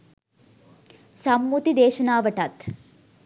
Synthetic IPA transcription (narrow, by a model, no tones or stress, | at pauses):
sɐmːut̪id̪eːʃɐnaːʋɐʈɐt̪